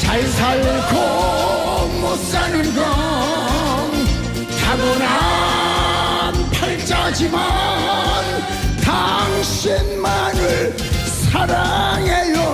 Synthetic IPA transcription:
t͡ɕajsʰaɭkʰo | mo | t͡ɕ͈anɯnɡɔ | ŋ | tʰaɡona | npʰaɭt͡ɕad͡ʑima | n | t̪ʰaŋɕenmanɯɭ | sʰaɾaŋejo

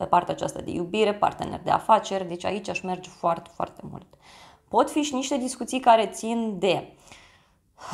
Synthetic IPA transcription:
epart̪eat͡ʃa̰st̪a̰d̪e̞̰jubiɾepa̰rt̪enḛrd̪ea̰fat͡ʃe̞rʲd̪e̞t͡ʃʲa̰it͡ʃʲaʃme̞rd͡ʒfoart̪e̥foa̰rt̪e̞mṵlt̪po̞t̪fiʃiniʃt̪e̞d̪iskut̪sijkaɾe̞t̪sind̪e̞

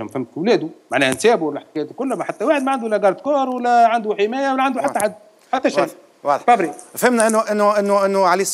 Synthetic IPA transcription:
æmæfhæmːfwlæːd̪umaʕnæːhænsæːbuwælːæħt̪̚kæjæt̪ukʊlːmæħat̪ːæwaːħɪd̪mæʕand̪ulːæɡɑɾˤd̪kɑːɾˤwælːæʕand̪uħɪmæːjæwælːæʕand̪uħat̪ːʕad̪ː | ħat̪ːæʃa | wɑˤfɑbɾiæfhɪmnæʔɪnːʔɪnːʊʔɪnːʔɪnːʊʕaleiːs

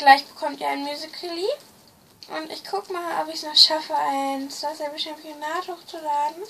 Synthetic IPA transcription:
ɡ̥laɪçb̥ə̥kʰɔmtiːɐaɪnmjuːzɪkʰəliː | ʔʊntɪçkʰʊkmaːlʔɔpɪçsnaːχʃafəʔaɪnsd̥asɛbəʃɛmpjonaːthoːxt͡sulaːdn̩

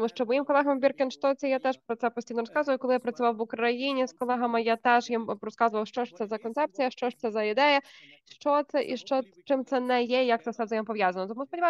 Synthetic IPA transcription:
t̪muʂt͡ʂɔmɔjimkɔlˠɛɦɐmbʲirkʲɪnʂt̪ɔtsɛjat̪ɛʂpɾɔt̪sɛpɔsʲijnɔɾɔskazʊʋɐjʊkɔlˠɪjapɾɐt̪sʊʋɑwʋʊkɾɐjinʲiskɔlˠɛɦɐmɐjat̪ɛʂjimɾɔskazʊʋɐwʂt͡ʂɔʂt̪ɛzɐkɔnt̪ɛpt̪sɨjɐʂt͡ʂɔʂt̪sɛzɐid̪ɛjɐ | ʂt͡ʂɔt̪sɛʔḭʂt͡ʂɔ | t͡ʂɪmt̪sɛnɛjɛijak̚t̪ɛsɛvzɐjɔmpɔʋʲjazɐnɔt̪ɔmuspɔdʲiʋa

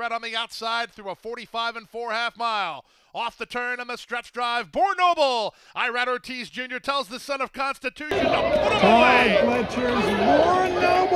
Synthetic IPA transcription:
ɹɛɾʌ̃n̩ðiaʊtsaɪd̪̚θɹʉəfɔɹɾifaɪvɨ̃nfɔɹhæfmaɪlˠ | ɔfðɨtʰɜ̃˞nɨ̃nðəstɹ̥ɛt͡ʃdɹaɪvbɔɹnoʊbl̩ˠ | ʔaɪɹæɾə˞tʰisd͡ʒʉ̃njə˞tʰɛlˠzðɨsʌ̃nʌv̥kʰɑ̃nstɨtʰʉʃɨ̃nəpʰʊɾəɛ̃weɪlɛt͡ʃʰɪɹzɨ̃ɔnoʊb

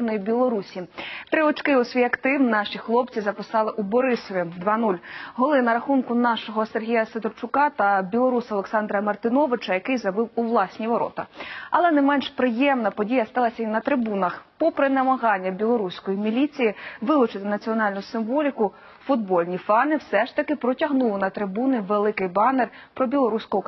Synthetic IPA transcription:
nɔjibʲilˠɔɾusʲit̪ɾɪʋɔt͡ʃkɪʊsʲʋʲijɐkt̪ɪwnɑʃixlˠɔp̚t͡sʲizɐpɪsɑlˠɪʔubɔɾɪsɔʋʲid̪ʋɑnulʲɦɔlˠɪnɐɾɐxunkʊnɑʃɔɦɔserɦʲijɐset̪ɾt͡ʃʊkɑt̪ɐbʲilˠɔɾusɐlˠeksɑnd̪ɾɐmɐrt̪ɪnɔʋɪt͡ʃɐjɐkɪjzɐbɪwuʋlˠɑsʲnʲiʋɔɾɔ̰t̪ɐ̰ɐlˠɛnɛmɛnʃpɾɪjɛmnɐpɔdʲijɐst̪ɑlˠɐsʲɐinɐt̪ɾɪbunɐxpɔpɾɪnɐmɐɦɑnʲːɐbʲilˠɔɾusʲkɔjimʲilʲit͡sʲijiʋɪlˠʊt͡ʃɪt̪ɪnɐt͡sʲiɔnɑlʲnʊsɪmʋɔlʲikʊ | fʊd̪bɔlʲnʲifɑnɪwsɛʃt̪ɐkɪpɾɔtʲɐɦnulˠɔnɐt̪ɾɪbunɪʋelˠɪkɪjbɑner | pɾɔbʲilˠɔɾusʲkɔɦɔ

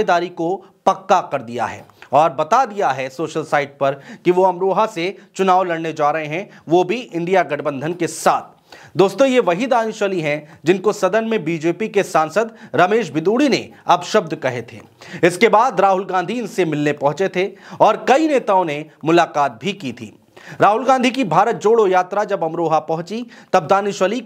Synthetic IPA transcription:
d̪aːɾiko | pɐkːakɐɾd̪ija̰ɦɛ̰ːɔːɾbɐt̪ad̪ijaɦɛsoːʃəlsaːɪʈ̚pɐɾkiʋoɐmɾoːɦaset͡ʃʊnaːʋlɐɽned͡ʒaːɾɐɦẽɦɛ̃ʋobʱiʔɪ̃ɳɖijaɡɐʈʰbə̃nd̪ʱənkesaːt̪ʰ | d̪oːst̪õjeʋɐɦid̪aːjʊ̃ʃəliɦɛ̃d͡ʒɪnkosɐd̪ənmẽbiːd͡ʒeːpikesãːnsəd̪ɾɐmeːʃbɪd̪uːɽinḛɐbʃəb̚d̪ʱkɐɦet̪ʰḛːɪskebaːd̪ɾaːɦʊlɡãːnd̪ʱiɪnsemɪlnepɐɦʊ̃t͡ʃet̪ʰeɔːɾkɐineːt̪aːõnemʊlaːqaːt̪̚bʱikit̪ʰḭː | ɾaːɦʊlɡãːnd̪ʱikibʱaːɾət̪̚d͡ʒoːɽojaːt̪ɾad͡ʒɐbɐmɾoːɦapɐɦʊ̃t͡ʃit̪ɐb̚d̪aːnɪʃʋəli

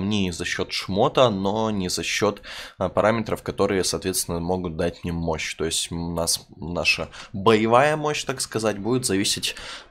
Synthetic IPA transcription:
mnʲezɐɕːo̞t̪ʂmo̞t̪əno̞nʲɪzɐɕːo̞t̪pɐɾʔamʲɪt̪ɾəfkɐt̪o̞ɾɨjəsɐːt̪vʲest̪ʲɪnəmo̞ɡʊt̪̚d̪atʲmnʲimːo̞ɕt̪o̞ɪsʲtʲnasnaʂəbəjɪvajəmo̞ɕt̪akskɐzatʲbudʲɪt̪zɐvʲisʲɪtʲ

